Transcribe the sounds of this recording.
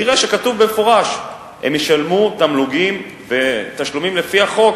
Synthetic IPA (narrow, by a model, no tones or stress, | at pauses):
iʁeʃekatuvbemefoʁaʃ | hemjeʃalmut̪amluɡim | ve̞t̪aʃlumimlefiaχo̞k